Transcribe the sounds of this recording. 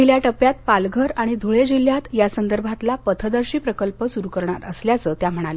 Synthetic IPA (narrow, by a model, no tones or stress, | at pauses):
iljaʈəpjat̪̚palɡʱəɾaɽ̃id̪ʱuɭed͡ʑiljat̪jasənd̪əɾbʱat̪lapət̪ʰəd̪əɾɕiːpɾəkəlpəsuɾukəɾɳaɾəsljat͡səːt̪jam̤əɽ̃ale